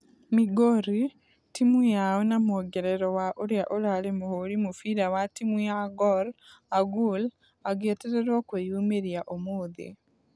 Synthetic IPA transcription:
miɡoɾi | timujaɔnamoɡɛɾɛɾɔwaʔoɾjaʔoɾaɾemohoɾimofiɾawatimujaɡɔɾaɡul | aɡeteɾeɾwɔkwojumeɾjaʔomoːðḛ

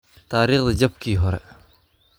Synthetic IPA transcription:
t̪aɾeχləɦd͡ʑap̚kiɦoɾ

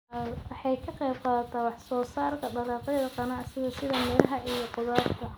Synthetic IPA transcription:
wɑħɑjkʰɐqɛjb̚qɑːðɐt̪ʰaːwɑħsɔːsaːrk̪ʰɐɖɐlɑːq̪ɐjɐðɐqɑnɐɐsɪɣɛːsɪðɐmɛːlɐɦɐʔijɔqʊðaːrk̪ʰɐ

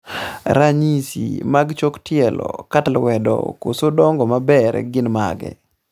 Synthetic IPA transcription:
ɾaɲisḭmaɡt͡ʃoktjɛlɔ̰katlwɛdɔ̰ko̰sodɔŋɡɔmabɛɾɡɪnma̰ɡɛ̰

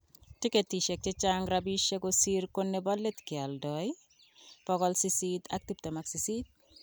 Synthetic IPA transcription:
tiketiʃek̚tet͡ʃaŋɾabiʃekosiɾkonːebɔlːet̪kɪaldɔj | pɔɡɔlsisitak̚tip̚temaksisit̚

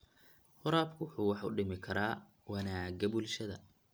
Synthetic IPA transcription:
χʊɾaːbkʰʊħʊwɑħʊ̰ɖɪmɪkʰɐɾʔaː | wɑnaːɡɐbulʃɐðɐ

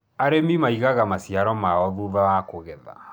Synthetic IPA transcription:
aɾemimaiɣaɣamasiaɾɔmaɔðuðawakoɣɛða̰

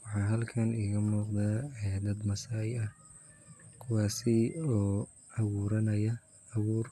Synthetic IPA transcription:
wɑħɑːɦɐlkʰɐniːɣɐmuːqd̪aːɛd̪ɐd̪mɐsaːjɐh | kʰʊwɑːsɪɔː | ɐβuːɾɐnɐjɐː | βuːr

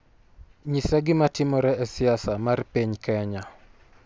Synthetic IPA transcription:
ɲisaɡɪmatɪmɔɾɛɛsɪasamarpiɲkɛɲa

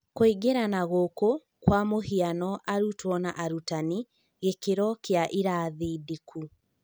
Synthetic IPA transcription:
koiɡeɾanaɣoko | kwamohianɔʔaɾutwɔnaʔaɾutani | ɣekeɾɔkeaʔiɾaːðidikʰu

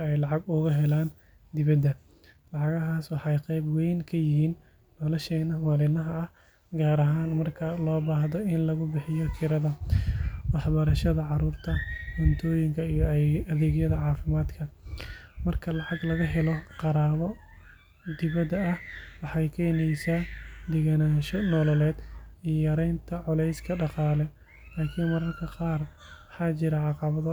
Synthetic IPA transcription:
ɛjlɑʕɑɡʊɣɐɦɛlaːn | d̪ɪβɐd̪ːɐ | lɑʕɑɣɐɦaːswɑħjqɛjbwɛjŋkʰɐjɪhiːnː | ɔlɔʃɛːnɐwalɪnɐɦɐɐh | ɡaːɾɐɦaːnmɐrkʰɐlɔːbaːhðɔɪnlɐɣʊbɪħɪjɔt̪ʰɪɾɐðɐ | wɑħbɐɾɐʃɐðɐʕɑɾuːrt̪ʰɐhʊnt̪ʰɔːjɪŋkʰɐijɔɐðɛːɣjɐðɐʕɑːfɪmaːd̪kʰɐ | mɐrkʰɐlɑʕɑɡlɐɣɐɦɛlɔqɑɾaːβɔ | d̪ɪβɐd̪ɐɐhwɑħɑjkʰɛjnɛjsaːd̪ɪɣanaːʃɔnɔːlɐlɛːd̪ijɔjɐɾɛjnt̪ʰɐʕɔlɛjskʰɐɖɑqɑːlɛ | laːkʰiːnmɐɾɐrkʰɐqɑːrwɑħɑːt͡ʃɪɾɐʕɑqɑβɐðɐ

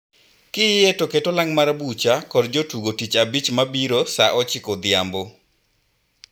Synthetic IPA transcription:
kɪetoketolaŋmaɾabut͡ʃakɔrd͡ʒotuɡotit͡ʃabit͡ʃmabiɾosaʔɔt͡ʃɪkod̪ɪambo

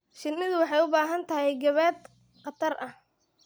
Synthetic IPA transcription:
ʃɪnːɪðʊwɑħɑjʊbaːɦɐnt̪ʰɐɦɛjɡɐβɛːd̪ | qɑt̪ʰɐrʔɐh

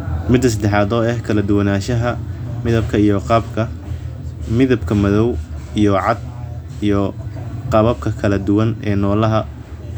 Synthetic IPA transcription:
mɪd̪ːɐs̬ɐd̪ɛħɑːðɔːɛhkʰɐlɐd̪ʊwɐnaːʃɐɦɐmɪðɐb̚kʰɐijɔqɑbkʰɐ | mɪðɐb̚kʰɐmɐðɔwijɔʕɑd̪̚ | ijɔqɑβɐb̚kʰɐkʰɐlɐd̪ʊwɐnɛ̰ːnɔːlɐɦɐ

